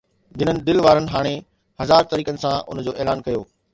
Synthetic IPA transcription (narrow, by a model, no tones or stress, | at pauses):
d͡ʑɪnənɪ̆d̪ɪlʋaːɾənɪ̆ɦaːɽ̃e | hɐzaːɾt̪ɐɾiːkənɪ̆sãʔʊ̰n̤əd͡ʑoːeːlaːnkɐjoː